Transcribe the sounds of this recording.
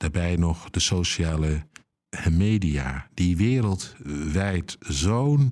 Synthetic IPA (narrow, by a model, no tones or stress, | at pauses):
d̥aːɹbɛjnɔχd̥əsowʃaːlə | mejdia̰ːd̥iʋɪːɾəlˠtʋɛjtzown